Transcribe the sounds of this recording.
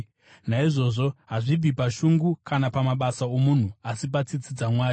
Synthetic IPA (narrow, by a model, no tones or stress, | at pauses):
naiʐo̞ːʐo̞ɦaʐib͡vipaʃuŋɡukanapamaɓasao̞mun̤uasip̬at͡sit͡sid͡zamwaːju